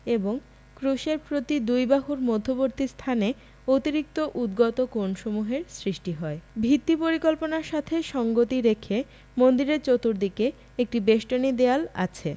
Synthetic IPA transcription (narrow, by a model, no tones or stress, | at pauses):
eboŋ | kɾuʃeɾpɾot̪id̪ujbaɦuɾmod̪ʱːoboɾt̪ist̪ʰane | ot̪iɾik̚t̪oʔud̪ɡɔt̪okonʃomuɦeɾsɾiʃʈiɦɔebʱit̪ːipoɾikolponaɾʃat̪ʰeʃɔŋɡot̪iɾekʰe | mond̪iɾeɾt͡ɕot̪ːuɾd̪ike | ek̚ʈibeʃʈonid̪eala̰t͡ɕʰe